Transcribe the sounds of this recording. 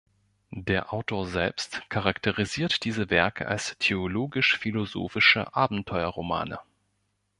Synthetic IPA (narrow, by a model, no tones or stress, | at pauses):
deːɐʔaʊtʰoːɐzɛ̰lpstkʰaʁaktəʁiziːɐtd̥iːzəvɛɐkʰə̰ʔa̰lstʰeoloːɡɪʃfilozo̰ːfɪʃə̰ʔaːbm̩tʰɔʏɐʁoma̰ːnə̰